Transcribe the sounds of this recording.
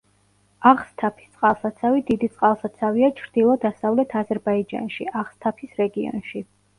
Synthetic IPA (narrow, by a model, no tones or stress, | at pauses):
aχst̪ʰapʰi̥st̪sʼqʼalˠsat̪sʰavid̪id̪it̪sʼqʼalˠsat̪sʰaviat͡ʃʰɾd̪̥ilˠɔd̪asavlɛt̪ʰazɛɾbaid͡ʒa̰nʃiʔaχst̪ʰapʰisɾɛɡiɔ̰nʃi